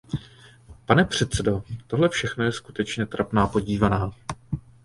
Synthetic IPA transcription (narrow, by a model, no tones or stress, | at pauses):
panɛpr̝̥ɛt̪t͡sɛdo̞t̪o̞ɦlɛfʃɛxnojɛskut̪ɛt͡ʃɲɛt̪ɾapnaːpo̞ɟiːvanaː